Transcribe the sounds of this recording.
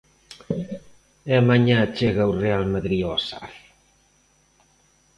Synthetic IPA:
ɛamaɲãt͡ʃeɣaurealmaðɾiɔsa̰ɾ

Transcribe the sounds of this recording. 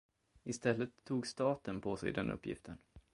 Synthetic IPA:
ɪst̪ɛlːət̪ʰːuːɡst̪ɑːt̪ənpʰɔsɛ̰jd̪ɛ̰nʔɵ̰pːjɪ̰ft̪ʰən

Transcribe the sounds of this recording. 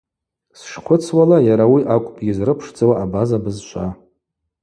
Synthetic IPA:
sʂχʰʷʊt͡sʰwalajaɾawiʔakʷʼpʼɡʲɪzrɨpʰʂd͡zawaːbazabɨzʃʷʰʼa

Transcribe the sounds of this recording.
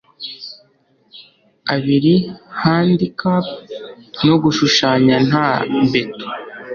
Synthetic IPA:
aβiɾihaːndikap̚ | noɡuʃuʃaːɲan̥habeto̥

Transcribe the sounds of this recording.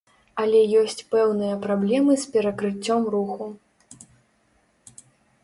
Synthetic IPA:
ɐlʲɛjɔsʲt͡sʲpɛwnɨjɐpɾablʲɛmɨspʲɛɾɐkɾɨt͡sʲːɔmruxu

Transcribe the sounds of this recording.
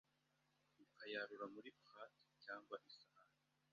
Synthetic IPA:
ikajaɾuɾamuɾipχati̥caːŋɡwaʔisaaɾi

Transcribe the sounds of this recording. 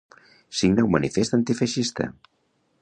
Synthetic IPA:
siɡnawmanʔifest̪ant̪ifaʃist̪ə̰

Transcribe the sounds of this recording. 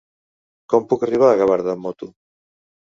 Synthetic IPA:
kɔmpukariβ̞aaɣaβaɾðamɔt̪u

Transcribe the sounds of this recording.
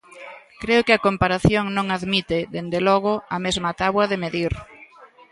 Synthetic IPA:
kɾeʊkɪakompaɾaθjoŋnõŋaðmit̪ɪðend̪elɔɣ̞ʊɐmezmat̪aβwɐðɪmeðiɾ

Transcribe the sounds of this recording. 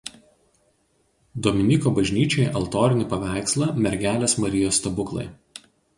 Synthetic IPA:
d̪ɔmʲɪnʲɪkoːbɐʒʲnʲiːt͡ʃʲojɛʔɐlˠt̪oːɾʲɪnʲɪpɐʋʲæˑɪkslˠɐmʲɛɾʲɡʲæːlʲeːsmɐɾʲɪjoːst̪ɐbʊklˠɐ̰ɪ

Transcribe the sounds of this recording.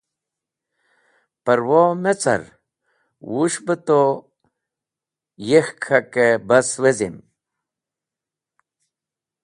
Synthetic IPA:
pəɾwomet͡sa̰ɾ | wuʂbət̪o | jexkʰakebɐswezḭm

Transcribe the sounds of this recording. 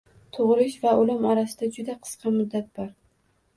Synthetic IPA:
t̪ʰʊʁɾɪʃvaʊlɪmaɾasɪd̪ad͡ʒʊd̪aqʰɨ̥sqʰɑmʊd̪ːat̪̚b̥ɒɾ

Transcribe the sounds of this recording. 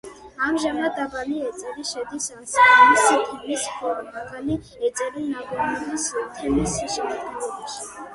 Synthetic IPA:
amʒamad̪abaniɛt̪sʼɛɾiʃɛd̪isansamisat̪ʰilispʰɔɾmaɡani | ɛt̪sʼɛɾinabɔɾnɛbist̪ʰɛmisiʃɛmad̪ɡɛlɔbaʃi̥

